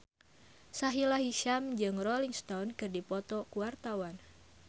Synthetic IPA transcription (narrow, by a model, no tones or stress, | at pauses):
saɦilaɦiʃamd͡ʒɨŋrɔliŋst̪awnkɨrdipɔt̪ɔkuwart̪awan